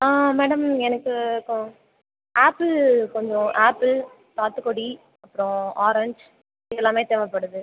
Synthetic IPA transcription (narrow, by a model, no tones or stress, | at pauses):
aːmeːɽɐmɛnɐkːɯkɔ | ʔaːpːɪlkɔɲd͡ʒõʔaːpːɪl | t̪aːt̪ɯkːɔɽi | ɐpːɯɾõaːɾɐɲd͡ʒ | ɪðɛlːãːmeːt̪eːʋɐpːɐɽɯðɯ